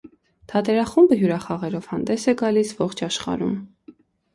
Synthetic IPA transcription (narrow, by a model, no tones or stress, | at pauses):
t̪ʰɑt̪ɛɾɑχumbəjuɾɑχɑʁɛɾɔv̥hɑnd̪ɛsɛɡɑlisvɔχt͡ʃʰɑʃχɑ̰ɾum